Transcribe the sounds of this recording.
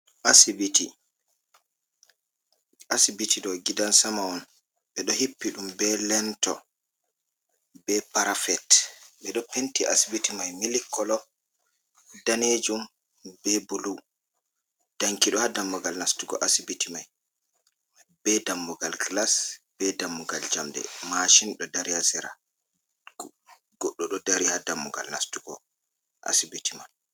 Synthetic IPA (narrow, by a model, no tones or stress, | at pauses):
ʔasibiti | asibitʰiɗɔɡidansamaɔn | ɓɛɗɔhipːiɗumbɛlɛntɔ̰ | bɛpaɾafɛtɓɛɗɔpentiʔasibitimajmilikʰːɔlɔ | daned͡ʒum | bɛbulu | d̥aŋkiɗɔhadamːɔɡalnastuɡɔ̰ʔasibitimaj | b̥ɛdamːɔɡalɡlasb̥ɛdamːɔɡald͡ʒamdɛ̰maʃinɗɔdaɾihasɛɾa̰ | ɡɔɗːɔɗɔdaɾihadamːɔɡa̰lnastuɡɔ | ʔa̰sibitʰiman